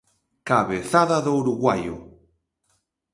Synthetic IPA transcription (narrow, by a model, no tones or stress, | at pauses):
kaβeθaðaðouɾuɣwajo̰